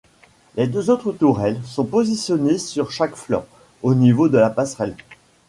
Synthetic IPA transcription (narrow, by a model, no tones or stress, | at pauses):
led̪øzot̪χət̪uʁɛlsɔ̃pozisjɔnesyʁʃakflɔ̰̃ | onivod̪əlapasχɛl